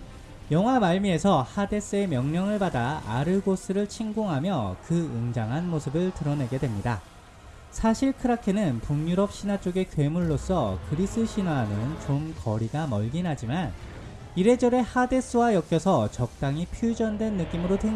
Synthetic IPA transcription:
jʌŋɦwamaɭmie̞sʰʌhade̞s͈ɯe̞mjʌŋɲʌŋɯɭbadaa̰ɾɯɭɡos͈ʰɯɾɯɭt͡ɕʰiŋɡoŋɦamjʌkɯɯŋd͡ʑaŋɦanmosʰɯbɯɭtɯɾʌne̞ɡe̞dwe̞mɲida | sʰaɕʰiɭkʰɯɾakʰenɯnpuŋɲuɾʌp̚ɕ͈ʰinat͡ɕ͈oɡe̞kwe̞muɭːos͈ʌkɯɾis͈ɯɕʰinwanɯnt͡ɕomkʌɾiɡamʌɭɡinɦad͡ʑiman | iɾe̞d͡ʑʌɾe̞hade̞s͈ɯwajʌk͈jʌsʰʌt͡ɕʌk̚t͈aŋipʰjud͡ʑʌndwe̞nːɯk͈imɯɾotwe

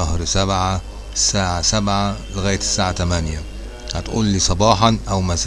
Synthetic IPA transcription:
æhɾsæbʕa | saːʕasæbʕaleɣæːjt̪sːaːʕat̪æmænjæ | hæt̪ʔṵːlːiːsˤɑbɑːħɑnʔæwmæs

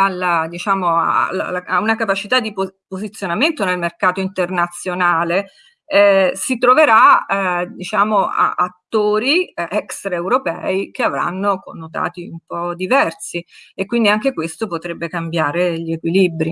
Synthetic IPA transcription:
alad̪it͡ʃaːmoa̰la̰laaunakapat͡ʃit̪ad̪ːipopozit̪sːjonament̪onelmerkaːt̪oint̪ernat̪sːjonaːle | ɛsit̪ɾoveɾa | d̪it͡ʃaːmoa̰at̪ːoːɾiɛkst̪ɾaewɾopɛ̰ːikeavɾa̰nːoko̰nːot̪a̰ːt̪iumpɔd̪ivɛrsiekːwind̪iaŋk̟ekwest̪opot̪ɾebːekambjaːɾeʎekwilibɾi

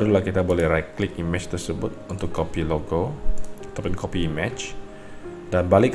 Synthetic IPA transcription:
ɾulahkit̪abolɛhɾaklɪkimɛ̃t͡ʃt̪ərsəbʊt̪̚unt̪ʊkːopiloɡoat̪apʊnkʰopiːmɛt͡ʃ | danbalɪk

